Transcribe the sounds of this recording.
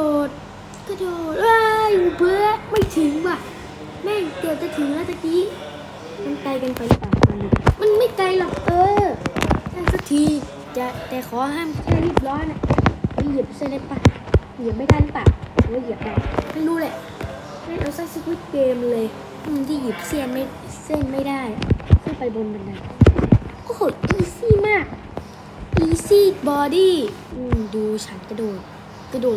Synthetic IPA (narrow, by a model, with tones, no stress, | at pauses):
o˨˩t̪̚ | kʰa˧˩doː˨˩t̪̚ʔaː˧juː˧˩bɯ˧˦əma˥˩jt̪ʰɯ˨˦ŋwa˧˩ | mɛː˧˩kɤː˨˩t̪̚t͡ɕa˧˩t̪ʰɯ˨˩˦ŋla˧˥˩t̪ʰa˧˩ki˧˥˦ŋ | ma˧nka˧jka˧npʰa˨˩jla˧˩paː˨˩kmaː˧˩ni˧˩ma˧˥˨nma˧˥˩jka˧jlɔ˨˩k̚t̪ɤː˧ | t̪ʰaː˧˩sa˧˩k̚t̪ʰiː˧ | t͡ɕa˨˧˩ʔt̪ɛː˨˩kʰɔː˨˦˧ɦaː˧˥˩mʰ˧˨da˧˩wi˧˩p̚lɔː˧˥na˧˨a˧˨ji˧˩əp̚sna˧˩paː˧˩ | ji˨˩˦əp̚ma˥˩t̪ʰaː˧˥˩paː˨˩k̚ʰwji˨˩əp̚la˧˩ma˥˩jɾuː˦˥lɛ˧˩ʔ | ma˥˩jʔa˧wsa˧˥˩jsi˧k̚wi˦˥t̪̚keː˧m˧lɤː˧j | mɯ˧nkiː˧˥˩ji˨˩p̚si˥˩əma˥˩j | se˥˩nma˥˩jdaː˥˩ja˨kʰa˥˩pa˧jbo˧nma˧nda˧˩n | kɔː˥˩ho˨˩t̪̚ʔiː˧siː˥˩maː˥˩k̚ | ʔiː˧siː˥˩bɔː˧diː˥˩ʔɯː˧˩mduː˧t͡ɕʰa˦˥nka˧˨˩doː˨˩t̪̚ | ka˧˩doː˨˩t̚